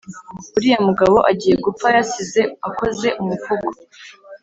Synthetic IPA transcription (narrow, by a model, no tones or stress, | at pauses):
uɾijamuɡaβo̞ʔaɟiːje̞ɡup͡fajasize̞ako̞ze̞ʔumufuɡo